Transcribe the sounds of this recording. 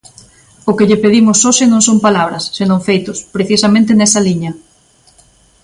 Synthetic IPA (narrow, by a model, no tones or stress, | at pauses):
ʊkɪʎɪpeðimʊsːoʃɪnõŋsompalaβ̞ɾɐsːenõŋfejt̪ʊspɾeθisɐmẽnt̪ɪnɛsɐliɲɐ